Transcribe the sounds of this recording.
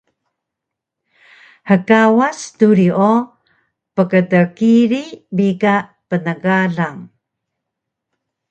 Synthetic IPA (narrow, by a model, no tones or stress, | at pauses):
həkawastuɾio | pəkətəkiɾibika | pənəɡaɮaŋ